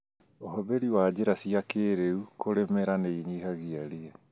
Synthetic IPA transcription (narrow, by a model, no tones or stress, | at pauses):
ohɔbeɾiwad͡ʑeɾasiakeːɾeukoɾemɛɾaneiɲiːhaɣiaɾiɛ